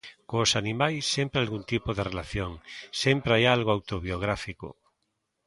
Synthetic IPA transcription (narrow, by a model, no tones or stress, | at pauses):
koːsanimajsːempɾealɣunt̪ipoðerelaθjoŋsempɾeajalɣoawt̪oβjoɣ̞ɾafiko̰